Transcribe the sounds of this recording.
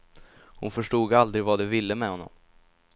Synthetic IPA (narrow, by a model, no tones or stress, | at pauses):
hʊnfœʂʈuːɡald̪ɾɪɡvad̪ɛvɪlːəmɛhɔnːɔ̰m